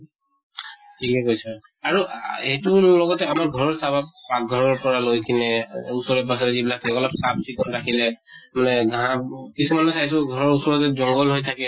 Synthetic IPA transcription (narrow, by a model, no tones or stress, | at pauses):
tʰikɛkojsɛaɹuetulɔɡɔtɛamaɹɡʱɔɹɔɹsabappak̚ɡʱɔɹɔɹpɔɹalojkʰinɛusɔɹɛpas̬ɔɾɛzibilatʰɛkɔlapsab̚sʰiɡɔnɹakʰilɛmanɛɡãkisumanɔsajsɔɡʱɔɹɔɹusɔɹɔtɛzɔŋɡɔlɦojtʰakɛ